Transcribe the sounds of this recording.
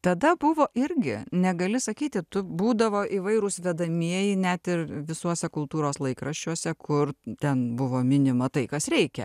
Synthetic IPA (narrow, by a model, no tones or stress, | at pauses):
t̪ɐd̪ɐbʊʋoːʔɪɾʲɡʲɪ̰nʲɛɡɐlʲɪsɐkʲiːt̪ʲɪt̪ʊbuːd̪ɐʋoːʔiːʋɐɪɾʊsʋʲɛd̪ɐmʲiɛjɪnʲæt̪ɪrʋʲɪsuɔsʲɛkʊlˠt̪uːɾoːslˠɐɪkrɐʃʲt͡ʃʲuɔsʲɛkʰʊrt̪ʲɛnbʊʋoːmʲɪnʲɪmɐt̪ɐɪkɐsɾʲɛɪkʲɛ̰